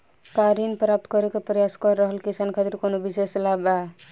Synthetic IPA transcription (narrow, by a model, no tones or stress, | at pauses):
kaɾinpɾap̚t̪kɔɾekepɾəjaskɔɾːəɦəlkisankʰat̪iɾkonobiseslaba